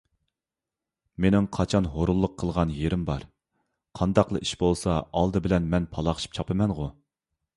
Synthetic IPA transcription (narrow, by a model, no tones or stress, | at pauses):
menɪŋqʰɑt͡ʃʰɑnɦoɾulˠːʊqʰːəlˠʁɑnjeɾɪmbɑɾ | qʰɑnd̪ɑqlˠə̰ʔiʃbolˠsɑɑlˠd̪ɨbɪlɛnmɛnpʰɑlˠɑχə̥ʃi̥p̚t͡ʃʰɑpʰɨmɛnʁʊ